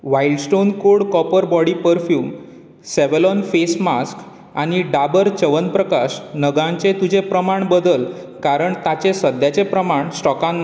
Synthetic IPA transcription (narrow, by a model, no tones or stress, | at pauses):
ʋailɖsʈonkoɽkɔpəɾbɔɽipəɾfjuːm | seʋelɔnfesmask | aɽ̃iɖabəɾt͡ɕəʋənpɾəkaɕnəɡãɲt͡ɕẽt̪ud͡ʑʱepɾəmaɳbəd̪əl | kaɾəɳt̪at͡ɕẽsəd̪jat͡sepɾəmaɳsʈɔkãnː